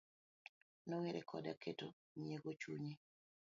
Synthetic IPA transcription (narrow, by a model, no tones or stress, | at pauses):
noweɾḛkʰɔ̰daketo | mjeɡot͡ʃuɲe